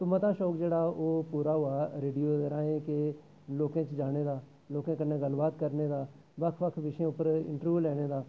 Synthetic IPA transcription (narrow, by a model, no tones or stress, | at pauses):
t̪ʊmət̪aːʃɔːkd͡ʒeːɽaːoːpuːɾaːɦoaːɾeːɖijoːd̪eːɾãːẽːke | loːkãːt͡ʃd͡ʒaːɽ̃eːd̪aː | loːkãːkənːeːɡəlbaːt̪kəɾneːd̪aː | ʋəkʰʋəkʰʋɪʃẽːʊpːəɾɪ̰̃ɳʈəɾʋjuːlɛːɽ̃eːd̪aː